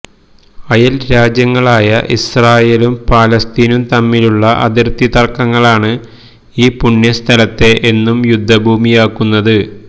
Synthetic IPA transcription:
ɐjɐlɾaːd͡ʑjɐŋːɐɭaːjɐʔisraːjeːlumpaːlɐst̪iːnumt̪ɐmːiluɭːɐʔɐ̰ðirt̪it̪ɐrkːɐŋːɐɭaːɳɨ | iːpuɳjɐst̪ʰɐlɐt̪ːe̞ʔenːumjud̪ʱːɐbʱuːmijaːkːunːɐðɨ

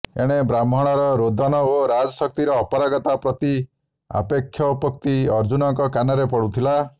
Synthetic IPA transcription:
eɽ̃ebɾam̤ʱɔɽ̃ɔɾɔɾod̪ʱɔnɔoɾad͡ʒɔsɔk̚t̪iɾɔːpɔɾaɡɔt̪apɾɔt̪i | a̰pekʰːjɔpɔkt̪iɔɾd͡ʒunɔŋkɔkanɔɾepɔɽut̪ʰila

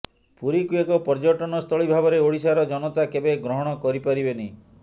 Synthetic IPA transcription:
puɾikuekɔpɔɾd͡ʒɔʈɔnɔst̪ʰɔɭibʱabɔɾeoɽisaɾɔd͡ʒɔnɔt̪akebeɡɾɔɦɔɽ̃ɔkɔɾipaɾibeneĩ

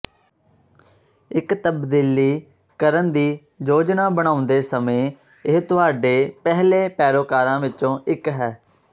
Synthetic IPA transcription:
ɪkt̪əbd̪iːliː | kəɾənd̪iː | d͡ʒoːd͡ʒnaːbəɽ̃ãːʊ̃nd̪eːsəmẽː | ɪɦt̪ʊaːɖeːpɛɦleːpɛːɾoːkaːɾãːʋɪt͡ʃõːʔɪkɦɛː

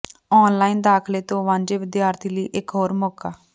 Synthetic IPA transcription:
ɔːnlaːiːnd̪aːkʰleːt̪õːʋãːnd͡ʒeːʋɪd̪jaːɾt̪iːliːʔɪkɦoːɾmoːkaː

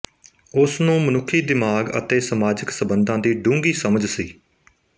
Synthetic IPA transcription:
ʊsnũːmənʊkʰːiːd̪ɪmaːɡə̰t̪eːsəmaːd͡ʒəksəbənd̪ãːd̪iːɖʊ̃ːŋɡiːsəməd͡ʒsiː

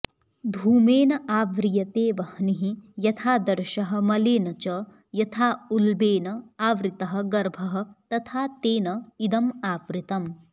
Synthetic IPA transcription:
d̪ʱuːmeːnɐaːʋɾijɐt̪eːʋɐhɐniɦijɐt̪ʰaːd̪ɐɾʃɐɦɐ̆mɐleːnɐt͡ʃɐ | jɐt̪ʰaːulbeːnɐaːʋɾit̪ɐɦɐ̆ɡɐɾbʱɐɦɐ̆t̪ɐt̪ʰaːt̪eːnɐid̪ɐmaːʋɾit̪ɐm

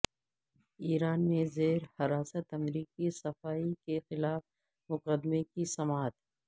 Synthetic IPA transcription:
iːɾaːnmẽzeːɾhɐɾaːsət̪ɐmɾiːkisɐfaːikexɪlaːf | mʊqəd̪mekisɐmaːɦt̪ɦɛ

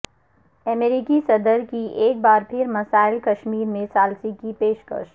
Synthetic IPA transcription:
ɐmeɾikisɐd̪əɾkieːk̚baːɾpʰɪɾmɐsaːɪlkɐʃmiːɾmẽsaːlsikipeːʃkə̰ʃ

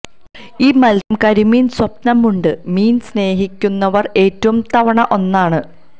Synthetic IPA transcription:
iːmɐlɐmkɐɾimiːnswɐpnɐmːuɳɖɨmiːnsne̞ːɦikʲːunːɐʋɐre̞ːtːɐʋumt̪ɐʋɐɳɐʔo̞nːaːɳɨ

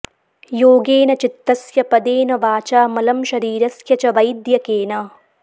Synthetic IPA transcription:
joːɡeːnɐt͡ʃit̪ːɐsjɐpɐd̪eːnɐʋaːt͡ʃaːmɐlɐmʃɐɾiːɾɐsjɐt͡ʃɐʋɐjd̪jɐkeːnɐ

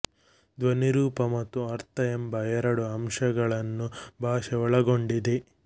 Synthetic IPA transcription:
d̪ʋɐniɾuːpɐmɐt̪ːuɐɾt̪ɐembɐɛɾɐɽuɐmʂɐɡɐɭɐnːubʱaːʃɛɔɭɐɡo̞ɳɖid̪e

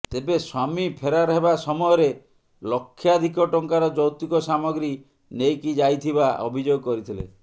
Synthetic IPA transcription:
t̪ebeswamipʰeɾaɾɔɦebasɔmɔjɔɾe | lɔkʰːjad̪ʱikɔʈɔŋkaɾɔd͡ʒɔwt̪ikɔsamɔɡɾi | nejkid͡ʒajt̪ʰibaʔɔ̰bʱid͡ʒoɡɔkɔɾit̪ʰilḛ

